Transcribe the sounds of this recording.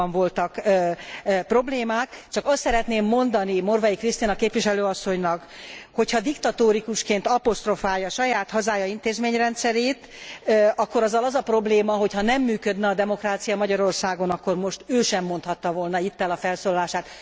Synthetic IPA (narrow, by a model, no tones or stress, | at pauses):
ɱvo̞lt̪ɒkː | pro̞bleːmaːkt͡ʃɒkɒst̪sɛɾɛt̪neːmːo̞nd̪ɒnimo̞rvɒjikrist̪inɒkeːpʋiʃɛløːɒsːo̞ɲnɒkho̞cʰhɒd̪ikt̪ɒt̪oːɾikuʃkeːnt̪ɒpo̞st̪ro̞faːjɒʃɒjaːt̪hɒzaːjɒint̪eːzmeːɲrɛnt̪sɛɾeːt̪ | ɒkːoɾɒzːɒlɒzɒpro̞bleːmɒɦo̞chɒnɛmːyːkø̞d̪nɛɒd̪ɛmo̞kraːt̪sijɒmɒɟɒɾo̞rsaːɡo̞nɒkːo̞rmo̞ʃt̪øːʃɛmːo̞nt̪hɒt̪ːɒvolnɒit̪ːɛlɒfɛlsoːlɒlaːʃaːt̪